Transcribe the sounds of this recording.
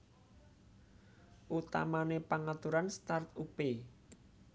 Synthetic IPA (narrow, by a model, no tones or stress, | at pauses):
ʔut̪a̰manepaŋat̪uɾanst̪art̪upe